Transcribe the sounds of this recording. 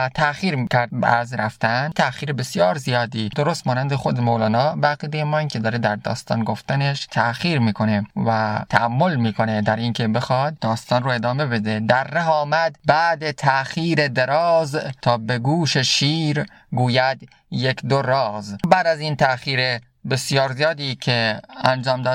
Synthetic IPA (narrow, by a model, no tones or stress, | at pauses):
t̪ʰæxiːɾkʰʲæɾd̪̚b̰æɾzɾæft̪ænt̪ʰæxiːɾebe̞sijɒːɾzijɒːd̪id̪oɾost̪mɒːnænd̪exod̪emowlɒːnɒːbeæɣiːd̪ejemɒːkʰʲe̞d̪ɒːɾed̪æɾd̪ɒ̰ːst̪ɒ̰ːnɡoft̪æneʃt̪ʰæxiːɾmiːkʰo̞nevæt̪ʰæʔæmːo̞lmiːkʰo̞ned̪æɾiːnkʲʰebe̞xɒd̪̚d̪ɒːst̪ɒːnroe̞d̪ɒːme̞be̞d̪ed̪æɾːeɦɒːmæd̪bæːd̪et̪ʰæxiːɾed̪eɾɒːzt̪ʰɒːbeɡuːʃeʃiːɾ | ɡuːjæd̪ | jekd̪oɾɒːzbæːd̪æziːnt̪ʰæxiːɾe | besjɒːɾzijɒːd̪iːkʰeænd͡ʒɒːmd̪ɒːd̪